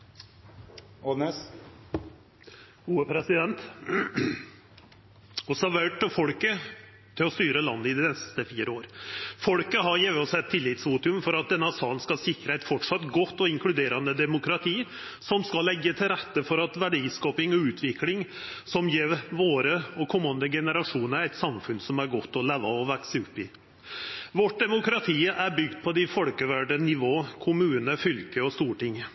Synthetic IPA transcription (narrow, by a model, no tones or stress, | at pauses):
ɔnɛs | uːəpʰɾɛsɪd̪ɛnt̪ | ɔsɑʋæʈːɔfɔlkə | t̪ʰɪlɔst̪yːɾəlɑ̰nːəɪd̪ɪnɛst̪əfiːɾəoːɾfɔlkəɦɑɾjeʋɔsɛɛt̪ʰːɪlːɪt̪sʋuːt̪ʉmfɔɾɑt̪̚d̪ɛnːəɑsɑːənskɑsɪkɾəæɪt̪fɔʈʂɑt̪ːɡɔt̪ːɔɪŋklʉd̪eːɾɑnəd̪ɛmʊkɾɑt̪ʰiː | sɔmskɑlːɛɡːət̪ʰɪlɾæt̪ːəfɔɾɑt̪ʋæɖiːskɑːpɪŋɔʉːt̪ʰʋɪklɪŋ | sɔmjeːɾʋoːɾəɔkʰɔmːɑnd̪əɡɛnəɾɑʂuːnəəɾæɪt̪sɑmfʉnsɔmæɾɡɔt̪ːɔleːʋɑɔʋæksəʉpːɪ | ʋɔʈ̚d̪ɛmʊkɾɑt̪ʰiːʔæɾbʏɡd̪̚pʰɔd̪ɪfɔlkəʋæɖənɪʋoːkʰʊmʉːnəfʏlkəɔst̪uːʈɪŋ